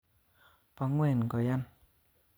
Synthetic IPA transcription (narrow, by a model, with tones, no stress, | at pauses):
pa˨˧˨ŋwe˧˨n˨kɔ˨ja˦˨n